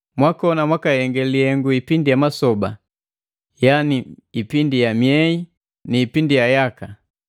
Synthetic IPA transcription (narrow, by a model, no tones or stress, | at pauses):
mwakɔnamwakajɛŋɡɛliɛŋɡuipindijamasɔba̰ | janiipindijamjɛi | niːpindijajaka